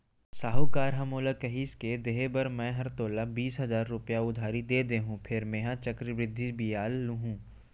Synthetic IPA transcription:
saːɦukaːɾɦɐmoːləkɐɦiːsked̪eɦebɐɾmɛ̃ɦɐɾt̪oːlabiːsɦɐzaːɾːʊpjaʊd̪ʱaːɾid̪eːd̪eːɦũpʰɪɾmẽːɦãt͡ʃɐkɾɪbɾɪd̪ʱːibijaːlːuɦũː

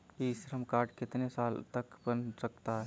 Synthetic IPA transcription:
isɾəmkaːɾʈkɪt̪nesaːlt̪əkbənsək̚t̪aɦɛ

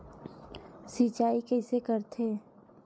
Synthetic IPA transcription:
sit͡ʃaːikɛːsekəɾt̪ʰeː

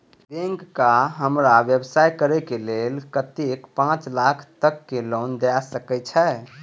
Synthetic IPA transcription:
bẽŋkːaɦəmɾaʋjəbsajkəɾɛkelelkət̪ikpãt͡ʃlakʰt̪əkːelond̪easəkɛt͡ʃʰɛ

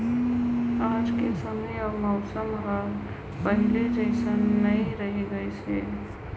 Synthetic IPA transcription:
ad͡ʒkesəmeəmɔʊsəmɦəɾ | pəɦiled͡ʒəɪsənːəiɾəɦiɡəjt͡ʃʰe

